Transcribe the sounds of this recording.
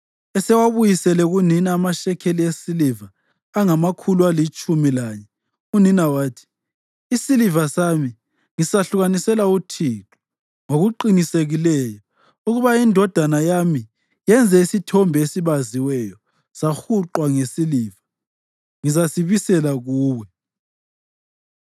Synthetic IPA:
ɛsɛwaβujisɛlɛɣuninaːmaʃɛkʰeliesiliva | aŋamakʰulualit͡ʃʼumilaːɲɛ | uninawaːtʰi̥ | isilivasami | ŋisaɬuɣanisɛlautʰiǁʰu̥ | ŋoɣuǃiniseɣilɛːjɔ | uɣuβaindʱɔd̥ʱanajami | jɛnd͡zʱɛisitʰɔmbʱesiβaziwɛjɔ | saxuǃwaŋesiliːva | ŋizasiβisɛlaɣuːwɛ

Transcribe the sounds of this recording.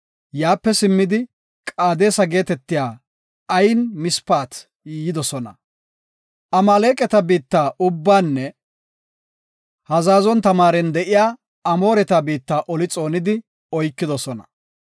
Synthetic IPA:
jaːpːɛsɪmːɪd̪ɪ | kʼaːd̪e̞ːsɐɡe̞ːt̪ɛt̪ːɪjaː | ɐjnmɪspaːt̪ | jɪd̪ɔsɔnɐ̰ | ɐmaleːkʼɛt̪ɐbiːt̪ːaːʔʊbːaːnːɛ | hɐzaːzɔnt̪ɐmaːɾɛnd̪ɛʔɪjaː | ɐmo̞ːɾɛt̪ɐbiːt̪ːaːʔɔlɪt͡sʼo̞ːnɪd̪ɪ | ɔjkːɪd̪ɔsɔnɐ̥̰

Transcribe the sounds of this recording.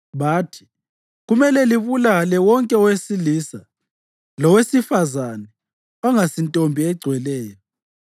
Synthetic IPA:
βaːtʰi̥ | ɣumɛlɛliβulalɛwɔŋkʼɛɔwesilisa | lɔwesifazanɛ | ɔŋasintʼombʱiɛɡ͡ǀʱwɛlɛːjɔ

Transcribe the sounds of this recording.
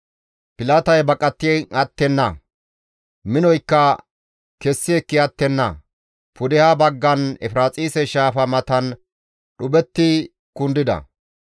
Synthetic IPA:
pɪlaːt̪ɐjbɐkʼɐt̪ːɪɐt̪ːɛnːɐ̰ | mɪnɔjkːɐ | kɛsːɪɛkːɪɐt̪ːɛnːɐ̰ | pʊd̪ɪhabɐɡːɐnɛfɪɾaːt͡sʼiːsɛʃaːfɐmɐt̪ɐn | ɗʊbɛt̪ːɪ | kʊnd̪ɪd̪ɐ̰

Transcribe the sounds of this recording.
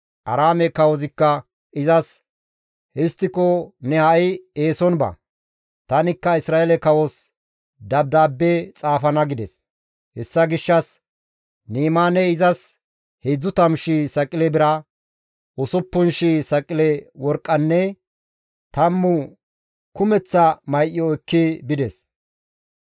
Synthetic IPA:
ʔɐɾaːmɛkɐwɔzɪkːɐ | ɪzɐs | hɪst̪ːɪkɔnɛhɐɪeːsɔnbɐ̰ | t̪ɐnɪkːɐɪsɾaːɛlɛkɐwɔs | d̪ɐb̚d̪aːbːɛt͡sʼaːfɐnɐɡɪd̪ɛs | hɛsːɐɡɪʃːɐs | niːmaːnɛɪzɐs | hɛjd͡zːʊt̪ɐmʃisɐkʼɪlɛbɪɾɐ | ʔɔsɔpːʊnʃisɐkʼɪlɛwɔɾkʼːɐnːɛ | t̪ɐmːʊ | kʊmɛt͡sːɐmɐjʔɪjɔɛkːɪbɪd̪ɛs

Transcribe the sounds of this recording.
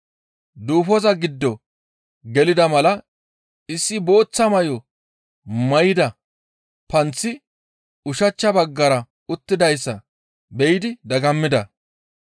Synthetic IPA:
d̪uːfɔzɐɡɪd̪ːɔ | ɡɛlɪd̪ɐmɐlɐ | ɪsːɪbo̞ːt͡sːɐmɐjɔ | mɐjɪd̪ɐ | pɐnt͡sːɪ | ʊʃɐt͡ʃːɐbɐɡːɐɾɐ | ʊt̪ːɪd̪ɐjsːɐ | bɛjɪd̪ɪd̪ɐɡɐmːɪd̪ɐ

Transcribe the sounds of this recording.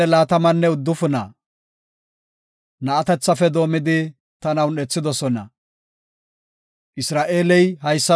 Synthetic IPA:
ɛlaːt̪ɐmɐnːɛʊd̪ːʊfʊnɐ | nɐːt̪ɛt͡sːɐfɛd̪o̞ːmɪd̪ɪ | t̪ɐnɐwnɛt͡sːɪd̪ɔsɔnɐ̰ | ʔɪsɾaːʔe̞ːlɛjhɐjsːɐ

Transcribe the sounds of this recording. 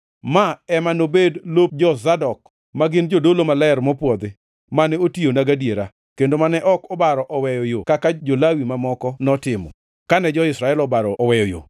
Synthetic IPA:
maɛmanobedlop̚d͡ʒɔzadɔk̚ | maɡɪnd͡ʒodolomalɛɛɾmɔpwɔd̪ɪ | manɛotionaɡadjeɾa | kendomanɛʔɔkɔbaɾɔʔɔwɛjɔjokakad͡ʒolawimamɔkɔnɔtɪmɔ̰ | kanɛd͡ʒɔɪsɾaɛlɔbaɾɔɔwɛjɔjo̰

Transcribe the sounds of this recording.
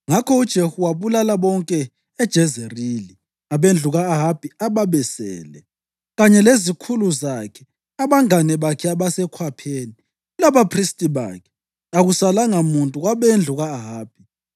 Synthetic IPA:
ŋakʰɔud̥ʒ̥ʱehuwaβulalaβɔŋkʼɛː | d̥ʒ̥ʱɛzerili | aβend͡ɮʱuɣaːɦab̥ʱiaβaβɛsɛ̰ːlɛ | ɣaɲɛlezikʰuluzakʰɛ̥ | aβaŋanɛβakʰɛaβasɛkʰwapʰeːni | ulaβapʰristʼiβa̰kʰɛ̥ | aɣusalaŋamuntʼuɣwaβend͡ɮʱuɣaːɦaːb̥ʱi

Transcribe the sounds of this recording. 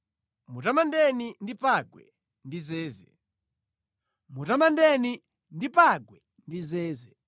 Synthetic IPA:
mutamandɛnindipaɡwɛ̰ | ndizɛːzɛ̰ | mutamandɛni | ndipaɡwɛ | ndizɛːzɛ

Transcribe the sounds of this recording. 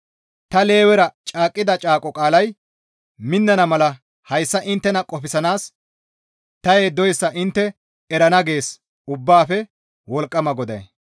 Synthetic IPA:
t̪ɐle̞ːwɛɾɐt͡ʃʼaːkʼːɪd̪ɐt͡ʃʼaːkʼɔkʼaːlɐj | mɪnːɐnɐmɐlɐ | hɐjsːɐʔɪnt̪ːɛnɐkʼɔpɪsɐnaːs | t̪ɐjeːd̪ɔjsːɐʔɪnt̪ːɛ | ɛɾɐnɐɡe̞ːs | ʊbːaːfɛ | wɔlkʼːɐmɐɡɔd̪ɐ̰j

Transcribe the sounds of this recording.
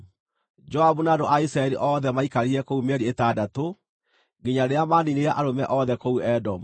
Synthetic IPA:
d͡ʒɔabunaːdoʔaisɾaɛɾiʔɔðɛmaikaɾiɾɛkoumɛɾietaːdato | ɡeɲaɾeamanineɾaʔaɾomɛʔɔðɛkouɛdɔm

